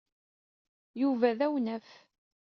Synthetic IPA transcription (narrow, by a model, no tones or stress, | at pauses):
juvæðæwnæf